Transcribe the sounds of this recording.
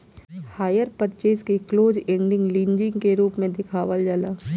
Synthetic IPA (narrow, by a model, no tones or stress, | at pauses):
haːjəɾpətt͡ʃeːskekloːd͡ʒẽːɳɖɪ̃ŋɡlĩːnd͡ʒɪ̃ŋɡkeɾuːpmẽd̪ɪkʰaːʋəld͡ʒaːlaː